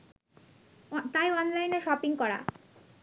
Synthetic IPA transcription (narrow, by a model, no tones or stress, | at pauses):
t̪ajɔnlajneʃɔpiŋkɔɾa̰